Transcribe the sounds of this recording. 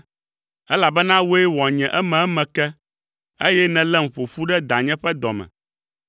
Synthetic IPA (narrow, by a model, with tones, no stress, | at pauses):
ɛ˦la˨bɛ˦nã˦wo˦e˦wɔ˨ɲɛ̃˨ʔɛ˦mɛ̃˨ɛ˦mɛ̃˨kɛ˦ | e˦jɛ˦nɛ̃˨lɛ˦m̩˨ɸo˨fu˦ɖɛ˦d̪a˨ɲɛ̃˦ɸɛ˦d̪ɔ˨mɛ̰̃˨